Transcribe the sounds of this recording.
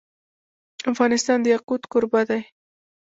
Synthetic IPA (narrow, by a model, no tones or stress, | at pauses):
afɣɑnɪst̪ɑnd̪əjaqut̪kʊɾbad̪aj